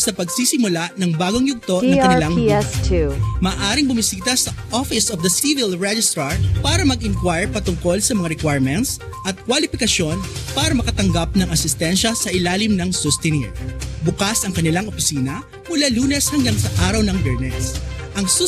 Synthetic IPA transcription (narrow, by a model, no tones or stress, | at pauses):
sɐpɐɡsiːsɪmʊlanɐŋbaːɡoŋjʊɡ̚t̪o̞nɐŋɐnɪlaŋtʰmɐːʔaːɾɪŋbʊmɪsiːt̪ɐsɐʔofɪsɔvd̪ɐsivɪlɹɛd͡ʒɪst̪ɾɐpaːɾɐmɐɡʔɪŋkwajɹpɐt̪ʊŋko̞lsɐmɐŋaɾɛkwajɹmɛnt̪s | ʔɐt̪̚kwalɪpɪkɐʃo̞npaːɾɐmɐkɐt̪ɐŋɡap̚nɐŋɐsɪst̪ɛnʃɐsɐʔɪlaːlɪmnɐŋsʊst̪ɛniɹbʊkasʔɐŋkɐnɪlaŋʔopɪsiːnɐ | mʊlaluːnɛshɐŋɡaŋsɐʔaːɾɐwnɐŋbɛɹnɛsʔɐŋs